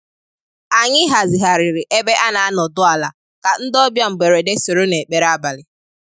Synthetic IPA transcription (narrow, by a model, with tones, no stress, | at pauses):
a˨ɲɪ˦ɦa˨zɪ˨ɦa˨ɾɪ˨ɾɪ˨ʔe˦be˦ʔa˦na˨a˦nɔ˨dʊ˦a˨la˨ | ka˨n̩˦dɔ˦bja˦ŋ͡m̩˨ɡ͡be˨ɾe˨de˦so˨ɾo˦ne˨k͡pe˨ɾa˦ba˨lɪ˨